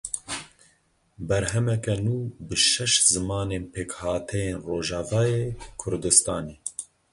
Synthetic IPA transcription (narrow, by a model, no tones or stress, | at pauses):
bɛɾɦɛmɛkɛnuːbɨʃɛʃzɨmɑːneːnpʰeːkhɑːt̪ʰɛjeːnroːʒɑːvɑːjeːkʰʊɾd̪ɨst̪ɑːneː